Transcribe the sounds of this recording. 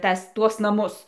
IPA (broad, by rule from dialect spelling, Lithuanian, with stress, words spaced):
ˈtɐs ˈtuɔs nɐˈmʊs